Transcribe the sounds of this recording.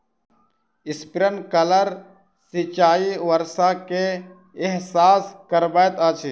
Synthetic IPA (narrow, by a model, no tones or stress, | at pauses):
ɪspɾənkələɾ | sit͡ʃaːiʋəɾsakeː | ɦsaːskəɾbajt̪aːt͡ʃʰi